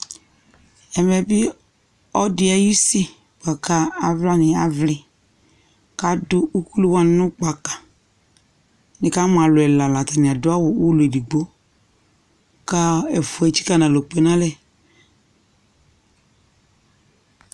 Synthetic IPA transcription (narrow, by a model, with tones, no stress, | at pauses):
ɛ˨mɛ˨bɪ˦ | ɔ˦dɪ˦a˨ju˦si˦ | k͡pa˨ka˨a˨vla˦nɪ˨a˨vlɪ˨ | ka˨dʊ˦u˦ku˦lu˦wa˦n˦nʊ̃˦k͡pa˨ka˨ | nɪ˨ka˦mʊ˨a˨lʊ˨ɛ˨la˨la˨ta˨nɪ˨a˨dʊ˦a˦wʊ˨wu˦le˨di˨ɡ͡bo˦ | ka˦ɛ˨fʊ˨ɛ˨t͡ʃi̥˦ka˦˨nã˨lo˨k͡pe˨nã˦lɛ˨